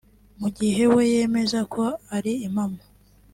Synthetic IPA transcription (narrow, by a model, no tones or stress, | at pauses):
muɟiɦe̞we̞je̞me̞zakʰo̞aɾiːmamo